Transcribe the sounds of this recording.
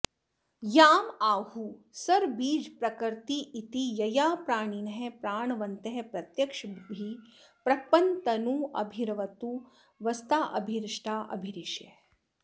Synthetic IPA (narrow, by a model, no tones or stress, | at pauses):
jaːmaːhusɐɾbiːd͡ʒpɾɐkɐɾt̪iʔit̪ijɐjaːpɾaːɳinɐɦepɾaːɳʋɐnt̪ɐɦepɾɐt̪jɐkʂbʱi | pɾɐpɐnt̪ɐnuɐ̰bʱiɾɐʋɐt̪u | ʋɐst̪aːʔɐbʱiɾʂʈʰaːʔɐ̰bʱiɾiʃjɐ